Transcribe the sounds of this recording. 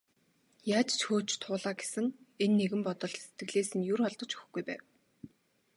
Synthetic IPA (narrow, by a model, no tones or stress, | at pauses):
jaːt͡ɕt͡ɕxoːt͡ɕt̪ʰʊːɮaːɡe̥sɘ̆ŋenːeɣɘ̆mpɔt̪ɞ̆ɮse̥t̪̚ɡɘ̆ɮeːsɘ̆ŋjʊrχɔɮt̪ɞ̆t͡ɕʰɵx̆xɡujpæ̰ːw